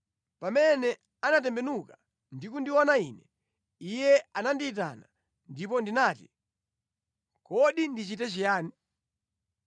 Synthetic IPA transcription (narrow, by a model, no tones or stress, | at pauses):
pamɛnɛ | anatɛmbɛnuka | ndikundiwɔnainɛ | ijɛanandiːt̬a̰na̰ | ndip̬ɔndinaːti | kɔɗindit͡ʃitɛt͡ʃijaːni